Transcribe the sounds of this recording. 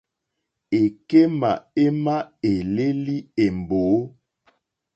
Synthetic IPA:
e˨ke˦ma̰˨e˦ma˦e˨le˦li˦e˨m˨boː˨˦

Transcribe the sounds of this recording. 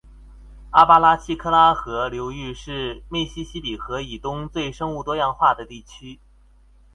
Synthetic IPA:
a˥˩pa˥la˥t͡ɕʰi˥kʰɤ˥˧la˥xɤ˧˥ljo˧˥ʊy˥˧ʂɻ̩˥˧mi˥˩ɕi˥ɕi˥pi˨˩xɤ˧˥i˨˩t̪ʊ˥ŋt͡swe˥˩ɪʂɤ˥ŋu˥˩t̪wɔ˥jɑ˥˧ŋxwa˥˩d̪ə˩t̪i˥˩t͡ɕʰy˥

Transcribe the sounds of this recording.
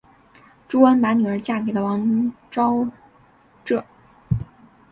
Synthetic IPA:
ʈ͡ʂu˥wə˥npa˧˥ny˨˩ə˞˧˥t͡ɕja˥˩ke˨˩ɪd̪ə˦˧wɑ˧˥ŋʈ͡ʂɑ˥ʊ | ʈ͡ʂɤ˥˩

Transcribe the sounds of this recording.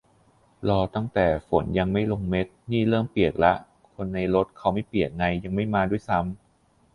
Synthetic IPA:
lɔː˧t̪a˥˩ŋt̪ɛː˨˩fo˩˦nja˧ŋma˥˩jlo˧ŋme˦˥t̪̚niː˥˩lɤː˥˩mpi˨˩ək̚la˦˥ʔ | kʰo˧nːa˧jɾo˦˥t̪̚kʰa˦˥wma˥˩jpli˨˩ək̚ŋa˧jːa˧ŋma˥˩jmaː˧du˥˩jsa˦˥m

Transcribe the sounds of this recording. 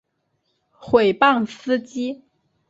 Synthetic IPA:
xwe˨˩ɪpɑ˥˩ŋsɹ̩˥t͡ɕi˥

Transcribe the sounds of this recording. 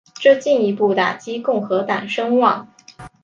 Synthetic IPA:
ʈ͡ʂɤ˥˧t͡ɕi˥˩ni˧˥pu˥˩t̪a˨˩t͡ɕi˥kʊ˥˩ŋxɤ˧˥t̪ɑ˨˩ŋʂɤ˥ŋwɑ˥˩ŋ

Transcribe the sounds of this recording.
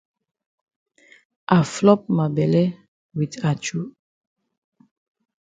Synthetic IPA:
ʔa˨flɔ˦p̚ma˨bɛ˨lɛ˦ | wi˨ta˨t͡ʃu˦

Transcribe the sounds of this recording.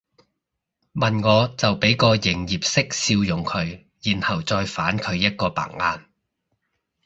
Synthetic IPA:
mɐ˨nŋɔː˨˧t͡sɐ˨wpe˨˥jkɔː˧jɪ˨˩ŋjiː˨p̚sɪ˥k̚siː˧wjʊ˨˩ŋkʰɵ˨˧ɥ | jiː˨˩nhɐ˨˩wt͡sɔː˧jfaː˨˥nkʰɵ˨˧ɥjɐ˥t̚kɔː˧pa̰ː˨˩ŋaː˧n

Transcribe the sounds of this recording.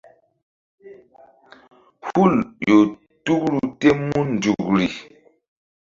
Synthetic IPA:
hu˦˨ljo˨ | tu˦kɾu˨te˦mu˦n˨d͡ʒu˨kɾi˨

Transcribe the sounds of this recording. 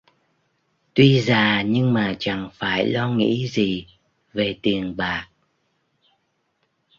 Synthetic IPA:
t̪wi˧zaː˧˨˩ɲɨ˧ŋmaː˨˩t͡ɕa̰˧˩ŋfaː˧˩jlɔ˧ŋḭ˧˥zi˨˩ | ve˨˩t̪i˨˩ənɓaː˨˩k̚

